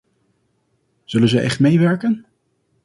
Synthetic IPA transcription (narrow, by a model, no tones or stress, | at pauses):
z̥ɵlənzəʔɛχtmejʋɛɹkən